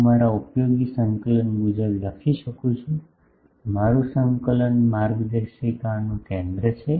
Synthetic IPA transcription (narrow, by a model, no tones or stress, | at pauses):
maɾaupjoɡisə̃ŋkələnɡud͡ʒəɾləkʰiʃəkũt͡ʃʰũ | maɾũsəŋkələnmaɾɡd̪əʃikanũkẽnd̪ɾət͡ʃʰe